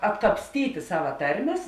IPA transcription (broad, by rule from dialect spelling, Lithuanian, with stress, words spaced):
ɐtkɐpʲsʲˈtʲiːtʲɪ ˈsɑːʋɐ ˈtɐrʲˌmʲeːs